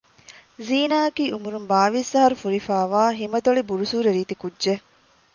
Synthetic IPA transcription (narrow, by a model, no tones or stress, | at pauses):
ziːnaːɐkiːʔumuɾumbaːʋisɐɦɐɾufuɾifaːʋaːɦimɐd̪oɭibuɾusuːɾeɾiːt̪ikudʒe